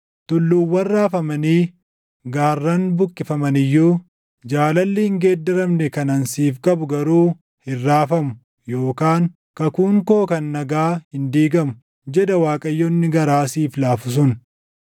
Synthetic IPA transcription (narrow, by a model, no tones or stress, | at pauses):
t̪ʊlːuːwːɐrːaːfɐmɐniː | ɡaːrːɐnbʊkʼːɪfɐmɐnɪjːuː | d͡ʒaːlɐlːɪhɪŋɡeːd̪ːɪɾɐmnɛkɐnɐnsiːfkʼɐbʊɡɐɾuː | hɪrːaːfɐmʊ | jo̞ːkaːŋ | kɐkʊŋkoːkɐnːɐɡaːhɪnd̪iːɡɐmʊ̥ | d͡ʒɛd̪ɐwaːkʼɐjːɔnːɪɡɐɾaːsiːflaːfʊs̬ʊn